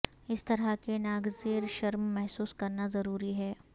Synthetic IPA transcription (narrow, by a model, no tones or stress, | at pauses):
ɪst̪ɐɾakenaːɡzeːɾʃɐɾmːɛɦsuːskɐɾnazɐɾuːɾiɦɛː